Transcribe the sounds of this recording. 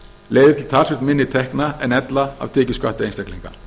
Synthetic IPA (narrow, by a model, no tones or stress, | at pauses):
leːjðɪɾt̪ʰɪlt̪ʰaːlsfɪ̥t̪mɪnːɪt̪ʰɛhknaɛnɛt̪laa̰vt̪ʰɛːcɪskaht̪ɪejnsɛkliŋka